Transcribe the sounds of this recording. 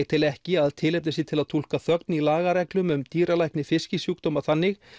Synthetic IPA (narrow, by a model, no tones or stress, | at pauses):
t̪ʰɪlɛhcɪaðt̪ʰɪlɛp̪nɪs̬it̪ʰɪlaðt̪ʰul̥kaθœk̪nilaːɣaɾɛklʏmʏmt̪iːɾalajhknɪfɪscɪsjuːkt̪ɔmaθanːɪx